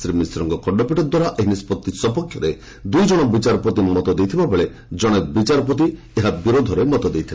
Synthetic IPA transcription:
sɾimisɾɔŋkɔkɔɖɔpiʈɔd̪waɾaʔeɦinispɔt̪ːisɔpɔkʰːjɔɾe | d̪ujd͡ʒɔɽ̃ɔbit͡ʃaɾɔpɔt̪imɔt̪ɔd̪ejt̪ʰibabeɭe | d͡ʒɔɽ̃ekbit͡ʃaɾɔpɔt̪̬i | eɦabiɾod̪ʱɔɾemɔt̪ɔd̪ejt̪ʰil

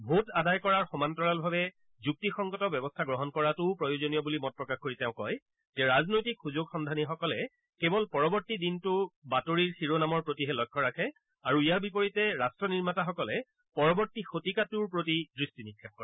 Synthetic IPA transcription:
bʱutadajkɔɹaɹxɔmantɔɹalbʱabɛ | zuk̚tixɔŋɡɔtɔbjɛbɔstʰaɡɹɔɦɔnkɔɹatʊpɹɔjozonijɔbulimɔt̚pɹɔkaxkoɹitɛʊ̃kɔj | tɛɹaznojtikxuzoɡxɔndʱanixɔkɔlɛ | kɛbɔlpɔɹɔbɔɹtidintʊbatoɹiɹsiɹonamɔɹpɹotiɦɛlɔjkʰːɔɹakʰɛ | aɹuijaɹbipoɹitɛɹastɹɔniɹmataxɔkɔlɛ | pɔɹɔbɔɹtixotikatuɹpɹotidɹistinikʰːap̚kɔɹa

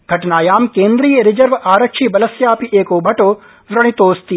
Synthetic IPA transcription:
ɡʱɐʈnaːjaːmkẽːnd̪ɾiːjəɾɪd͡ʒəɾʋaːɾəkʃʰibɐləsjaːpiʔeːkobʱɐʈo | ʋɾɐɽ̃it̪oːst̪i

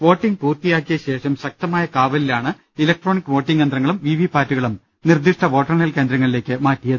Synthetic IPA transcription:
ʋo̞ːʈːiŋɡ̚puːrt̪ijaːkːijɐɕe̞ːʂɐmɕɐk̚t̪ɐmaːjɐkaːʋɐlilaːɳɨ | ilɐk̚ʈro̞ːnikːɨʋo̞ːʈːiŋɡjend̪ɾɐŋːɐɭumʋiʋipaːtːuɣɐɭum | nird̪iʂʈɐʋo̞ːʈːɐrnɐlke̞ːnd̪ɾɐŋːɐɭile̞ːkːɨmaːtːijɐðɨ

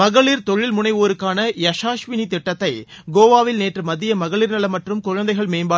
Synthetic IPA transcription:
mɐɣɐɭiɾt̪ɔɻɪlmʊnɐɪʋoːɾɯkːaːnɐjɐʂaːʂʋɪnit̪ɪʈːɐt̪ːɐɪ | ɡoːʋaːʋɪlneːʈrɯmɐðɪjɐmɐɣɐɭiɾnɐlɐmɐʈrɯmkʊɻɐnd̪ɐɪɣɐɭmeːmbaː

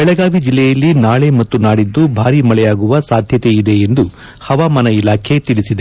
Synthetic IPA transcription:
bɛɭɛɡaːʋid͡ʒilːɛjɐlːinaːɭe̞mɐt̪ːunaːɽid̪ːubʱaːɾimɐɭɛjaːɡuʋɐsaːd̪ʱjɐt̪eid̪e̞end̪u | hɐʋaːmɐnɐilaːkʰe̞t̪iɭisid̪e

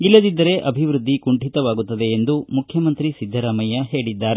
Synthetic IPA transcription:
ilːɐd̪id̪ːɐɾe̞ʔɐbʱiʋɾud̪ʱːikuɳʈit̪ɐʋaːɡut̪ːɐd̪e̞ːnd̪umukʰjɐmɐnt̪ɾisid̪ʱːɐɾaːmɐjɐɦe̞ːɽid̪ːaːɾe

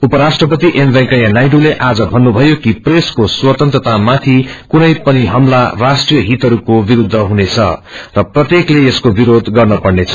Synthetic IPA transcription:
upʌɾasʈrʌpʌt̪iʔembʱekajanajɖuleʔad͡zʌbʱʌnːubʱʌjokipreskoswʌt̪ʌnt̪rʌt̪amat̪ʰikunʌjpʌniɦʌmlarasʈrijʌɦit̪ʌɾukobiɾud̪ʱːʌɦunet͡sʰʌ̰rʌprʌt̪jekleeskobiɾod̪ʱɡʌrnʌpʌɽnet͡sʰʌ

